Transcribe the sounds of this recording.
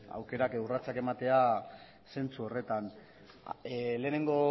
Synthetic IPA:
a̰wke̞ɾakurat͡sake̞mat̪e̞a | se̞nt͡suo̞re̞t̪an | le̞ːne̞ŋɡo̞

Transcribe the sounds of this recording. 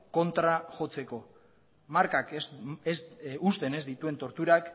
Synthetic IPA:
ko̞nt̪ɾaʝo̞t͡se̞ko̞ | maɾkakesust̪e̞ne̞zd̪it̪ue̞nt̪o̞ɾt̪uɾak

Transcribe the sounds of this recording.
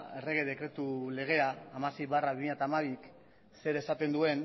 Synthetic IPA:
e̞re̞ɣ̞e̞ðe̞kɾe̞t̪ule̞ɣ̞e̞aːmase̞jβaraβimiʎat̪aːmaβik | se̞ɾesat̪e̞nd̪ue̞n

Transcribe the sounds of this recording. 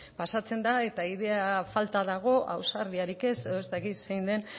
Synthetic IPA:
pasat͡se̞nd̪ae̞t̪aiðe̞afalt̪aðaɣ̞o̞ʔa̰wsaɾðiaɾike̞seoezt̪akit̪sejnd̪e̞n

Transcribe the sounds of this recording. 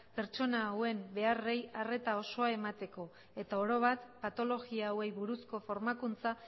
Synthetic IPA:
pe̞ɾt͡ʃo̞naːwe̞mbe̞are̞jare̞t̪ao̞so̞ae̞mat̪e̞ko̞ | e̞t̪ao̞ɾo̞β̞at̪pat̪o̞lo̞ɣiaːwe̞jβuɾusko̞fo̞ɾmakunt͡sa

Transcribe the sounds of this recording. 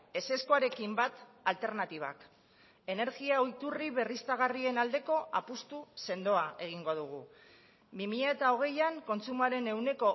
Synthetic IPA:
e̞se̞skoaɾe̞kimbat̪alt̪e̞ɾnat̪iβ̞a̰k | e̞ne̞ɾɣiaojt̪uriβe̞rist̪aɣ̞arie̞nald̪e̞ko̞ʔapust̪use̞nd̪o̞ae̞ɣ̞iŋɡo̞ðuɣ̞u | bimiʎae̞t̪ao̞ɣ̞e̞jaŋko̞nt͡sumaɾe̞ne̞wne̞ko̞

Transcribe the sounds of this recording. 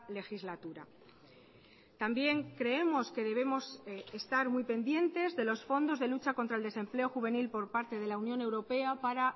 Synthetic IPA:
le̞xizlat̪uɾa̰ | t̪ambje̞ŋkɾe̞e̞mo̞ske̞ðe̞β̞emo̞sest̪aɾmjpe̞nd̪je̞nt̪e̞zðe̞lo̞sfo̞nd̪o̞zð̞e̞lut͡ʃako̞nt̪ɾaeld̪e̞se̞mple̞o̞xuβe̞nilpo̞ɾpaɾt̪e̞ð̞e̞launjõ̞ne̞wɾo̞pe̞apaɾa

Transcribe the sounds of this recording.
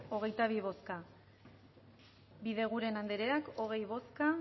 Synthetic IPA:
o̞ɣ̞e̞jt̪aβ̞iβ̞o̞ska | biðe̞ɣ̞uɾe̞nand̪eɾe̞ako̞ɣ̞e̞jβo̞ska

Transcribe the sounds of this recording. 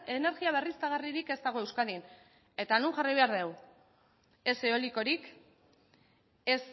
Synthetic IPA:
e̞ne̞ɾɣiaβ̞e̞rist̪aɣ̞ariɾike̞st̪aɣo̞e̞wskaðin | e̞t̪anuŋʝaraijβe̞aɾðe̞w | e̞seo̞liko̞ɾik | es

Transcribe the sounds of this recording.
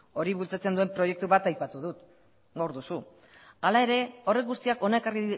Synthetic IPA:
o̞ɾiβult͡sat͡se̞nd̪ue̞mpɾo̞je̞k̚t̪uβat̪ajpat̪uðut̪ | ɡawɾðusu | alae̞ɾe̞o̞re̞kɡust̪iako̞naekari

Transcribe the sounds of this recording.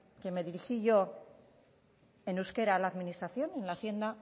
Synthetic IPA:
ke̞me̞ðiɾixiʝo̞ | e̞nuske̞ɾalaːðminist̪ɾaθjo̞nẽ̞nlaːθje̞nd̪a

